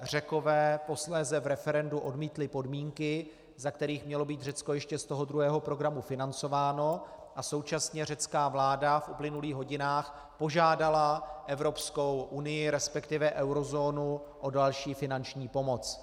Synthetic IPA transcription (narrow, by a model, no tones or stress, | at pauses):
r̝ɛko̞vɛːpo̞slɛːzɛvɾɛfɛɾɛnduʔo̞dmiːt̪lɪpo̞dmiːŋkɪ | zakt̪ɛɾiːxmɲɛlo̞biːt̪rɛt͡sko̞jɛʃcɛst̪oɦod̪ɾuɦɛːɦo̞pɾo̞ɡɾamufɪnant͡so̞vaːno̞ʔaso̞wt͡ʃasɲɛr̝ɛt͡skaːvlaːdafʔuplɪnuliːɣɦo̞ɟɪnaːx | po̞ʒaːdalaʔɛvɾo̞psko̞wʔunɪjɪɾɛspɛkt̪ɪvɛʔɛwɾo̞zoːnu | ʔo̞dalʃiːfɪnant͡ʃɲiːpo̞mo̞t͡s